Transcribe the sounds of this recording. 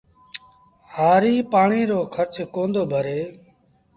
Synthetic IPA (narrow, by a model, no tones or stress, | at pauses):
haːɾiːpaːɳiːɾoːkʰəɾt͡ʃkõːnd̪oːbʱəɾeː